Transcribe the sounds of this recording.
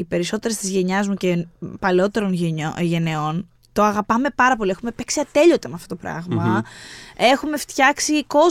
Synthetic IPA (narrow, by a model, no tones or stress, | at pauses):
ipe̞ɾiso̞t̪e̞ɾest̪izʝe̞ɲɐzmucepɐleo̞t̪e̞ɾo̞noʝe̞neo̞n | t̪o̞ɐɣɐpɐme̞pɐɾɐpo̞liexumepe̞ksiɐt̪e̞ʎo̞t̪emeɐft̪ot̪̞pɾɐ̰ɣmɐ | e̞xume̞ft̪çɐksiko̞